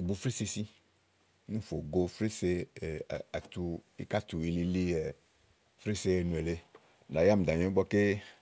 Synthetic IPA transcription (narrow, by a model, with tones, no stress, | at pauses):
ɡ͡bo˨fɾe˦se˧si˦ | nũ˦fo˨ɡo˦fɾe˦se˦˨ | a̰˨t̪u˨ḭ˨ka˦t̪u˨i˨li˦li˦e˨ | fɾe˦se˦e˨nũ˨e˨le˦ | la˨ja˦˨m̩˨d̪a˨ɲɔ̃˨˦ɡ͡bɔ˦ke˦